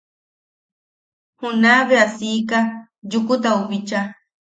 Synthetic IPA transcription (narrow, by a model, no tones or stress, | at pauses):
hʊnabasijka | ʎʊkʊt̪aʊβɪt͡ʃa